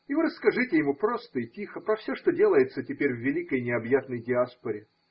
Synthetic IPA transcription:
ɪvɨɾəskɐʐɨtʲɪjɪmupɾo̞st̪əitʲixəpɾəfsʲoʂt̪odʲe̞lˠəjɪt̪sətʲɪpʲeɾʲvːʲɪlʲikəjnʲɪɐbjat̪nəjdʲɪaspəɾʲɪ

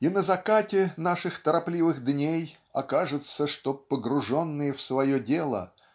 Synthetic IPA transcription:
inəzɐkatʲɪnaʂɨxt̪əɾɐplʲivɨɣd̪nʲej | ɐkaʐɨt̪səʂt̪opəɡɾʊʐo̞nːɨjəfsvɐjodʲelˠə̰

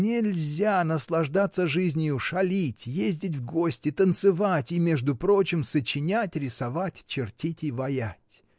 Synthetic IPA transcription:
nʲɪlʲzʲanəslˠɐʐd̪at̪sːəʐɨzʲnʲɪjʊʂɐlʲitʲjezʲdʲɪtʲvɡo̞sʲtʲɪt̪ənt̪sɨvatʲɪmʲe̞ʐd̪ʊpɾo̞t͡ɕɪmsət͡ɕɪnʲatʲɾʲɪsɐvatʲt͡ɕɪrtʲitʲɪvɐjatʲ

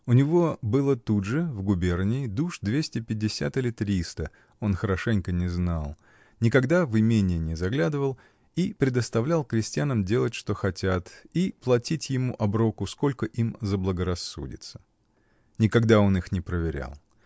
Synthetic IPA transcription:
ʊnʲɪvo̞bɨlˠət̪udʐɨvɡʊbʲe̞rnʲɪɪd̪uʂd̪vʲesʲtʲɪpʲɪdʲːɪsʲa̰t̪ɨlʲɪt̪ɾʲist̪ə | o̞nxəɾɐʂɛnʲkənʲɪznalˠ | nʲɪkɐɡd̪avɨmʲenʲɪːnʲɪzɐɡlʲad̪ɨvəlˠ | ipɾʲɪd̪əst̪ɐvlʲalˠkɾʲɪsʲtʲɪjanəmdʲe̞lˠətʲʂt̪o̞xɐtʲat̪iplˠɐtʲitʲjɪmuʔɐbɾo̞kʊsko̞lʲkəʔimzəblˠəɡəɾɐsːṵdʲɪ̰t̪sə̥ | nʲɪkɐɡd̪ao̞nixnʲɪpɾəvʲɪɾʲa̰lˠ

